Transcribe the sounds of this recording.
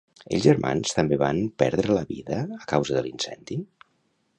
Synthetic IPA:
ə̰ʎʒəɾma̰nst̪əmbeβanpɛɾðɾələβiðəːkawzəðəlinsɛnd̪i

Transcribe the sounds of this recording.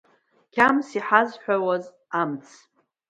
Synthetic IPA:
kʲʰamsiħazħʷᶣawaz | amt͡sʰ

